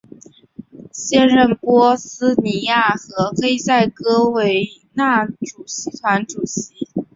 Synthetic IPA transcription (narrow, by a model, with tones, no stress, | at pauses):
ɕjɛ˥nɻə˥˩npwɔ˥sɹ̩˥ni˧˥ja˥˩xɤ˧˥xe˥ɪsa˥˩ɪkɤ˥we˧˥ɪna˥˩ʈ͡ʂu˨˩ɕi˧˥t̪ʰwa˧˥nʈ͡ʂu˨˩ɕi˧˥